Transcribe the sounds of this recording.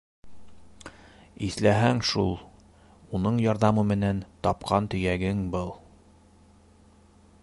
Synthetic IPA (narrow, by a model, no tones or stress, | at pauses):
iθlæɦæŋʃṵlˠ | unɤɴjɒɾðɑmɤmɘ̆nænt̪ɒp̚qʰɑnt̪ɵ̆jæɡɘŋbɤlˠ